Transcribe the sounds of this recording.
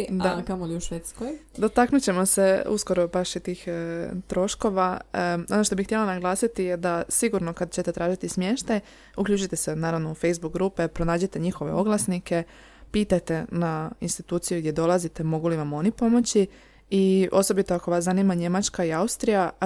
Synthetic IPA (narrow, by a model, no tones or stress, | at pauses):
d̪akamoliuʃʋet̪skojd̪o̞t̪aknut͡ɕe̞mo̞se̞ṵsko̞ɾo̞baʃit̪iːxt̪ɾo̞ʃko̞ʋao̞no̞ʃt̪o̞bixt̪je̞lˠanaɡlˠaːsit̪ije̞d̪asiɡuɾno̞kad̪t͡ɕe̞t̪e̞t̪ɾaːʒit̪ismje̞ːʃt̪aj | ukʎuːt͡ʃujt̪esenaːɾaʋno̞ufejzbukɡɾupepɾo̞naːd͡ʑet̪e̞ɲixo̞ʋe̞̰o̞ɡlˠasnike̞ | piːt̪ajt̪e̞nainst̪it̪uːt̪sijuɡd̪je̞d̪o̞lˠazit̪e̞mo̞ɡuliʋamo̞nipo̞mo̞t͡ɕi | io̞so̞bit̪o̞ako̞ʋaszaniːmaɲe̞mat͡ʃkaiaust̪ɾija